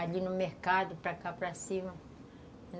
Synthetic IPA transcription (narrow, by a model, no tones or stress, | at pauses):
aʎinʊmehkad̪ʊpɾakapɾɐsĩmɐ | n